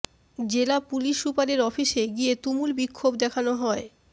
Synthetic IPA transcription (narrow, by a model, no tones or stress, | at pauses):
d͡ʑelapuliʃːupaleɾɔfiʃeɡiet̪umulbikʰːobd̪ɛkʰanoɦɔe